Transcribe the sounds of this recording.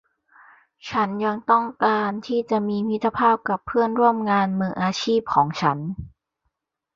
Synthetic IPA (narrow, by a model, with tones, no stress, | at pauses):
t͡ɕʰa˦˥nja˧ŋt̪ɔ˥˩ŋkaː˧nt̪ʰiː˥˩t͡ɕa˨˩ʔmiː˧mi˦˥t̪ʰːa˧pʰaː˥˩p̚ka˨˩pʰːɯ˥˩ənɾu˥˩əmŋaː˧nmɯː˧˩ʔaː˧t͡ɕʰiː˥˩p̚kʰɔː˩˦ŋt͡ɕʰa˦˥n